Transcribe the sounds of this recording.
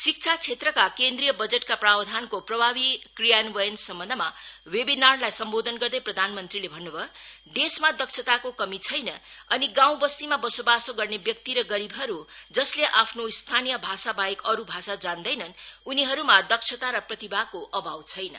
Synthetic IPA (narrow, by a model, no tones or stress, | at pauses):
sik̚t͡sʰat͡sʰet̪rʌkakend̪rijʌbʌd͡zeʈkaprabd̪ʱankoprʌbʱabikrijanbʌjʌnsʌmbʌnd̪ʱmawebinarlajsʌmbod̪ʱʌnɡʌrd̪ʌjprʌd̪ʱanmʌnt̪rilebʱʌnːubʱʌ | ɖesmad̪ʌksʰʌt̪akokʌmit͡sʰʌjnʌʌniɡãw̃bʌst̪imabʌsobasoɡʌrnebjʌk̚t̪iɾʌɡʌɾibɦʌɾud͡zʌsleʔapʰnost̪ʰanijʌbʱasabajekʌɾubʱasad͡zand̪ʌjnʌnuniɦʌɾumad̪ʌksʰʌt̪aɾʌprʌt̪ibʱakoʔʌbʱawt͡sʰʌjnʌ̰